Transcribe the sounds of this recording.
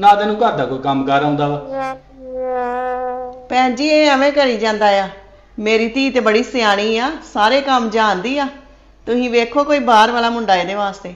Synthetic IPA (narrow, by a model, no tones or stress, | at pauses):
nãːt̪ɛːnũːkəɾd̪aːkoːiːkəmkəɾãːnd̪aːʋaː | pɛ̃ːd͡ʒiːeːəʋẽːkəɾiːd͡ʒãːnd̪aːjaː | meːɾiːt̪iːt̪eːbəɽiːsɪjaːɽ̃iːaːsaːɾeːkəmd͡ʒãːnd̪iːaː | t̪ʊsĩːʋeːkʰoːkoːiːbaːɾʋaːlaːmʊɳɖaːeːd̪eːʋaːst̪eː